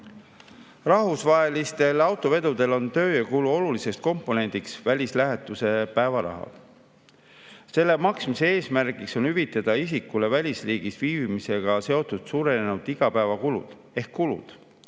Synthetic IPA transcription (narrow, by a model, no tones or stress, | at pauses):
rɑɦusvɑɦe̞list̪e̞lɑwt̪ˑo̞ve̞d̪̥ud̪̥e̞lo̞nt̪ø̞ːjɑkuluo̞lulisest̪̚ko̞mpːˑo̞ne̞nʲd̪̥iksvælʲislæɦet̪ːˑuse̞pæevɑɾɑ̰ɦɑ̰l | se̞lːe̞mɑksmisee̞ːsmæɾɡikso̞nyvit̪ːˑɑd̪̥ɑisikːule̞vælʲisriːɡ̥isviːvimise̞ɡ̥ɑse̞o̞t̪ːˑud̪̥suːɾe̞ne̞nud̪̥iɡ̥ɑpæevɑkulṵd̪̥ | e̞hkːulṵd̪̥